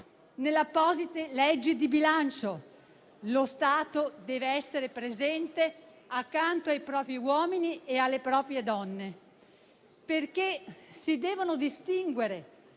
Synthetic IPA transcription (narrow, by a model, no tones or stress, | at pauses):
nelːapːɔːzit̪elɛd͡ʒːid̪ibilant͡ʃo | lost̪aːt̪od̪ɛːveɛsːeɾepɾezɛnt̪e | akːant̪oajpɾɔːpɾiwɔːminiealːepɾɔːpɾjed̪ɔnːe | perkesid̪ɛːvonod̪ist̪iŋɡweɾe